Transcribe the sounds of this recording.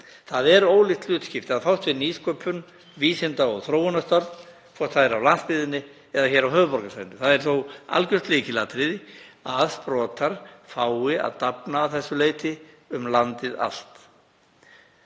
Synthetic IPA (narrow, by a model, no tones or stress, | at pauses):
θaðɛɾoːwlɪxt̪lʏːt̪scɪft̪ɪaðfawhst̪vɪniːskʰœpʰʏn | viːsɪnt̪aɔɣθɾoːwɔnast̪aɾt̪n | kʰvɔst̪θaðɛɾawlanspɪːðɪnːɪ | ɛðaçɛːɾawɦœːvʏpɔɾkasajɪnːɪθaðɛɾ̥θowa̰lcʏst̪leːcɪlaːt̪ɾɪðɪaðspɾɔːt̪aɾ̥faːwɪa̰ðt̪apnaːwθɛsːʏleːjt̪ɪ | ʏmlant̪ɪða̰l̥t̪